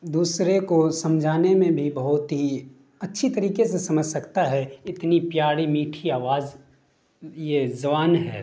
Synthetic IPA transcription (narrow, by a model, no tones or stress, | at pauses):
d̪uːsɾekosɐ̃md͡ʒʱaːnemẽbʱibɐɦʊt̪ɦi | ɐtːʃʰit̪ɐɾiːkesesɐməd͡ʒʱsɐkt̪aɦɛɪt̪nipjaːɽimiːʈʰiaːʋaːz | jezɐbaːnɦɛ̰ː